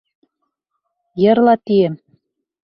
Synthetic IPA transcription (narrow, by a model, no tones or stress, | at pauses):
jɤ̆ɾlˠɑt̪iɘm